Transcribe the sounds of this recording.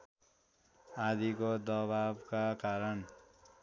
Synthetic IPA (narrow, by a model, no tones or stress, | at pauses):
ad̪ikod̪ʌbabkakaɾʌn